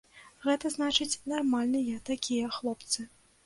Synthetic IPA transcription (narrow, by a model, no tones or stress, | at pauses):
ɣɛt̪ɐznat͡ʂɨt͡sʲnarmalʲnɨjɐt̪akʲijɐxlˠɔpt̪sɨ